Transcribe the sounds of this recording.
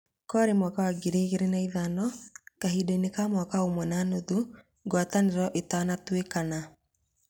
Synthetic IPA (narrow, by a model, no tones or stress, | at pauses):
kɔɾemwakawaɡeɾiɣeɾenaiðanɔkaɦiːdeinekamwakaomwɛnanoðu | ɡwataneɾɔʔetanatwekana